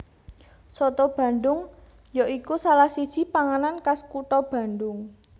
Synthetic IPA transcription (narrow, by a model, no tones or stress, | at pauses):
sɔt̪ɔb̥ä̤ɳɖʊŋ | joʔikusalahsid̥ʒ̥i̤paŋanankaskuʈɔb̥ä̤ɳɖʊŋ